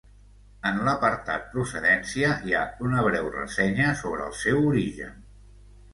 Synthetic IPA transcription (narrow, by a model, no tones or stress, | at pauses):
ənləpəɾt̪a̰t̪̚pɾusəðɛnsiəiaunəβ̞ɾɛwrə̰sɛɲəsoβɾəəlˠsɛwuɾiʒə̰n